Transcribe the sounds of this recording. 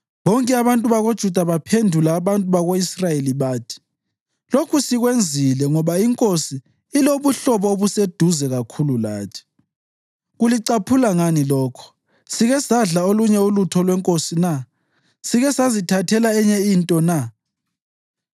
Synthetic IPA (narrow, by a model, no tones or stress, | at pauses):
βɔŋkʼɛaβantʼuβaɣod̥ʒ̥ʱud̥ʱaβapʰendʱulaːβantʼuβaɣoisrajeliβaːtʰi̥ | lokʰusiɣwend͡zʱilɛŋɔβaiŋkʼosiː | loβuɬɔβɔoβused̥ʱuzɛɣakʰulula̰ːtʰi̥ | ɣuliǀapʰulaŋanilɔːkʰɔ̥ | siɣɛsaɮaoluɲɛulutʰɔlwɛŋkʼosina | siɣɛsazitʰatʰɛlaɛɲɛintʼɔna